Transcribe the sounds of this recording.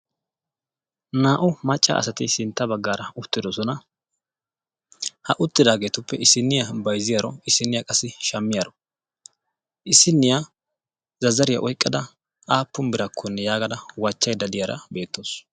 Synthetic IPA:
naːʔʊmɐt͡ʃʼːɐ̰ʔɐ̰sɐt̪ɪsɪnt̪ːɐbɐɡːaːɾɐʊt̪ːɪd̪ɔsɔnɐ | hɐʔʊt̪ːɪd̪aːɡe̞ːt̪ʊpːɛɪsɪnːɪjabɐjzɪjaɾɔɪsːɪnːɪjakʼɐsːɪʃɐmːɪjaɾɔ | ʔɪsːɪnːɪja | zɐzːɐɾɪjɐ̰ʔɔjkʼːɐd̪ɐ | ʔaːpːʊnbɪɾɐkʰːɔnːɛjaːɡɐd̪ɐwɐt͡ʃːɐjd̪ɐd̪ɪjaɾɐ̰be̞ːt̪ːo̞ːs

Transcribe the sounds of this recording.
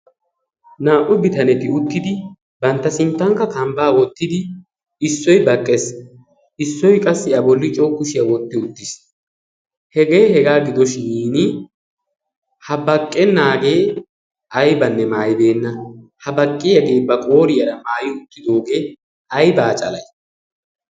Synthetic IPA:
naːʔʊbɪt̪ɐnɛt̪ɪʊt̪ːɪd̪ɪ | bɐnt̪ːɐsɪnt̪ːɐŋkːɐkɐmbaːwɔt̪ːɪd̪ɪ | ɪsːɔjbɐkʼːes | ɪsːɔjkʼɐsːɪɐbɔlːɪt͡ʃʼoːkːʊʃɪjɐwɔt̪ːɪʊt̪ːɪs | hɛɡeːhɛɡaːɡɪd̪ɔʃɪiːnɪ | hɐbɐkʼːɛnːaːɡe̞ː | ʔɐjbɐnːɛmaːjbe̞ːnːɐhɐbɐkʼːɪjɐɡe̞ːbɐkʼo̞ːɾɪjɐɾɐmaːjɪʊt̪ːɪd̪o̞ːɡe̞ː | ʔɐjbaːt͡ʃʼɐ̰lɐj

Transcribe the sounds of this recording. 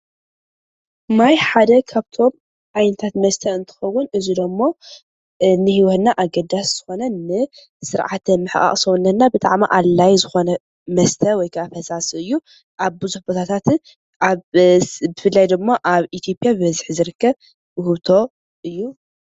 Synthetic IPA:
majħad̪ɐkʰaβt̪ʰo̞m | ʔajnɐt̪ʰat̪mɐst̪ʰɐɨnt̪ʰɨ̥xɐwːʊnɨzid̪ɐmːo | nɨhiwɔt̪naʔaɡɐd̪asz̥ɨ̥xo̞nɐnɨ | sɨɾʕat̪ʰɨmɨħʔʼa̰χʼsownːɐt̪nːabɨt̪ʼa̰ʕmiʔalːajzɨxo̞nɐ | mɐst̪ʰɐwɔjkʰaːfɐsasɨjːu | ʔaβbɨzuħbot̪ʰat̪ʰat̪ | ʔa | bɨfɨlːajd̪ɨɡmaʔaβit̪ʰjo̞pʼijabɨβɐzɨħzɨɾɨkːɐβ | hɨβt̪ʰo̞ | ʔɨjːu

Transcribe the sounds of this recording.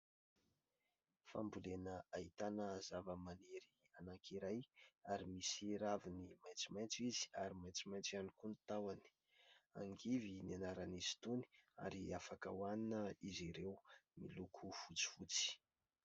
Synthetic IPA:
fa̰mbulenəaɦit̪anəzavəmaniɾi | anaŋkʰiɾajaɾimisiɾavinimajt͡simajnt͡sizi̥aɾimajt͡simajnt͡sianikunt̪awani̥ | a̰ŋɡivinanaɾaniz̥i̥t̪uni̥a̰ɾiafakə̰waninəiziɾewmḭlukʰufut͡si̥fut͡si̥

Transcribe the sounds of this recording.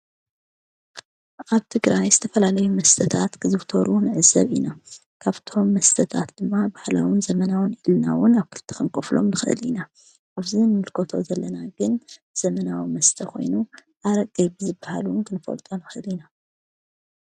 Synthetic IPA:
ʔaβt̪ʰɨɡɾajzɨt̪ʰɐfɐlalɐjumɐst̪ʰɐt̪ʰat̪kʰɨzɨβt̪ʰoɾunɨʕɨzɐβina | kʰaβt̪ʰo̞mːɐst̪ʰɐt̪ʰat̪d̪̥ɨmːabahla̰winzɐmɐnawʊnilna̰wʊnaβkʰɨlt̪ʰːi̥kɨnkʼoflo̞̰mnɨxɨʔɨ̰lḭna | ʔaβzinɨmɨlkʰot̪ʰo̞̰zɐlːɐnaɡɨn | z̥ɐmɐnawimɐst̪ʰɐkʰo̞̰jnuʔaɾɐɡʼɐbɨzɨbːahalunkʰɨnɨfɐ̰lt̪ʼonɨxɨʔɨlina

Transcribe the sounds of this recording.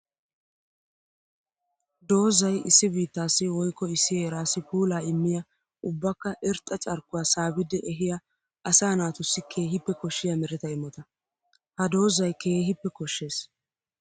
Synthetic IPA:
d̪o̞ːzɐjɪsːɪbiːt̪ːaːsːɪwɔjkːɔɪsːɪjeːɾaːsːɪpuːlaːɪmːɪjɐ | ʊbːɐkːɐʔɛɾt̪ʼɐt͡ʃʼɐɾkːʊwaːsaːbɪd̪ɪʔɛɦɪjɐ | ʔɐsaːnaːt̪ʊsːɪkʰe̞ːɦɪpːɛkɔʃːɪjɐmɛɾɪt̪ɐɪmːɔt̪ɐ | hɐd̪o̞ːzɐjke̞ːɦɪpːɛkɔʃːeːs

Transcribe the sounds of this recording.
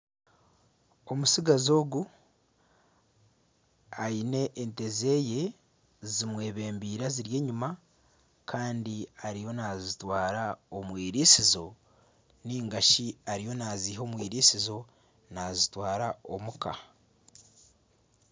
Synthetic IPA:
o̞musiɡazo̞ːɡu | ajine̞ʔːnte̞ze̞ːje̞ | zimwe̞ːβe̞ːmbiːɾaziɾje̞ːɲuma | kʰaːndiaɾijo̞nazitwaːɾaomwiːɾisizo̞ | niːŋɡaʃiaɾijo̞naziho̞ːmwiːɾisizo̞ | nazitwaːɾao̞̰muka

